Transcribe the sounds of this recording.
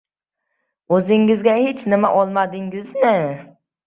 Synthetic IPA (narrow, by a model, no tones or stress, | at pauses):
ɵzɪŋɪzɡʲahet͡ʃnɪmaʔɒlˠmad̪ɪŋɡɪzmɪ